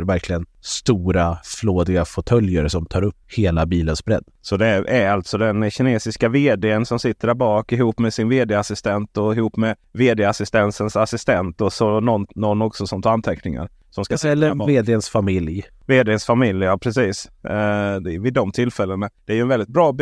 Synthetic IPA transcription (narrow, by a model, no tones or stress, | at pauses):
ɾvæɾkʰlɪɡənst̪uːɾafloːd̪ɪɡafɔt̪ʰœljəɾsɔmt̪ʰɑːɾɵpːheːlabiːlənsbɾɛ̰d̪ːsɔd̪ɛæɾalt̪sɔd̪ɛnɕɪneːsɪskaveːd̪eːənsɔmsɪt̪ːəɾæbɑːkɪɦuːpːmɛsɪnveːd̪eːasɪst̪ɛnt̪ɔɪhuːpːmɛ | veːd̪eːasɪst̪ɛnsənsasɪst̪ɛnt̪ɔsɔnɔnːɔnːɔksɔsɔmt̪ʰant̪ʰɛknɪŋa̰ɾ | sɔmskasɛlːəveːd̪eənsfamɪlj | veːd̪eənsfamɪljjɑːpʰɾɛsiːs | d̪ɛvɪd̪ɔmt̪ʰɪlːfɛlːənad̪̥ɛæɾjəɵɛnvɛld̪ɪt̪̚bɾɑː